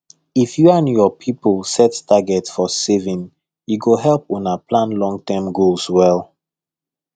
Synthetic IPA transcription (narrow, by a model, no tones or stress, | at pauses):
ifjuãnjɔpʰipəlˠsɛttaɡɛtsfɔsevĩn | juɡoɦɛlˠponaplãnlɔ̃ŋtɛmɡolswɛlˠ